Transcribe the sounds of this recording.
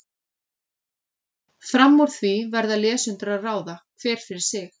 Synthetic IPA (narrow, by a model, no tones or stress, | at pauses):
fɾamːɔɾ̥θvivɛɾðalɛːsʏnt̪ɾaðraːwðakʰvɛːɾ̥fɪɾɪɾ̥sɪx